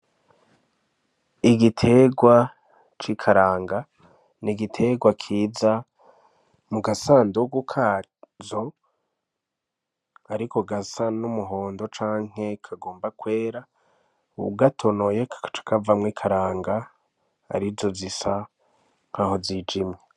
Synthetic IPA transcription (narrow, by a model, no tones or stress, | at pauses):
iɡitʰe̞ɡwa | t͡ʃikʰaɾaːŋɡa | niɡitʰe̞ɡwakʰiːza | muɡasaːndoɡukʰa | zo̞ | aɾiko̞ɡasanumuɦo̞ːndo̞t͡ʃaːŋ̥e̞kʰaɡo̞ːmbakwe̞ːɾa | uɡatʰo̞no̞jekḁt͡ʃḁkavamŋiːkʰaɾaːŋɡa | a̰ɾizo̞zisa | ŋ̥haːho̞ziːd͡ʒimɲe